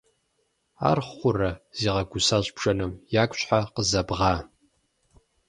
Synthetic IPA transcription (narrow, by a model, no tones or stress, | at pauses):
a̰rχʷʊrɐz̥iːʁɐɡʷʊsaɕbʒʼɐnɨmjaːkʷʼɕʷħaqəzɐbʁaː